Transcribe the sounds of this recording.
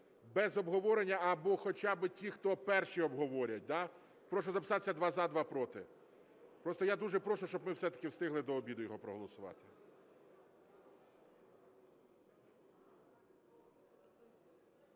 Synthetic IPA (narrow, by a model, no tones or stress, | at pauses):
bɛzɔbɦɔʋɔɾenʲːɐɐbɔxɔt͡ʃabɪtʲixt̪ɔpɛrʃiɔbɦɔʋɔɾʲɐt̚ʲd̪a | pɾɔʃ̬ɔzɐpɪ̥sɑt̪e̥sʲːɐd̪ʋɑzɑd̪ʋɑpɾɔt̪ɪ | pɾɔst̪ɔjad̪uʒɛpɾɔʃʊʃt͡ʃɔbmɪwsɛt̪ɐ̥kɪwst̪ɪɦlˠɪd̪ɔːbʲid̪ʊjɔɦɔpɾɔɦɔlˠɔsʊʋɑ̰t̪ɪ̥